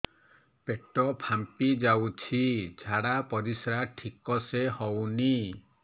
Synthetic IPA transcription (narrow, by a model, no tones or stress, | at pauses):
peʈɔpʰampid͡ʒawt͡ʃʰid͡ʒʱaɽapɔɾisɾaʈʰikɔsehɔwni